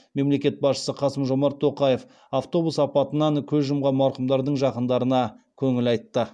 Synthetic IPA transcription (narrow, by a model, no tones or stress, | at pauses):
me̞mle̞kʲe̞t̪̚bɑsʃə̥səqʰɑsəmʒo̞mɑɾt̪ʰːo̞qɑje̞f | aft̪o̞busɑpɑt̪ənɑŋkʲʰɵzʒəmʁɑmɑɾqəmd̪ɑɾd̪əɴʒɑqənd̪ɑɾənɑkʲʰɵŋɪlɑjt̪ːə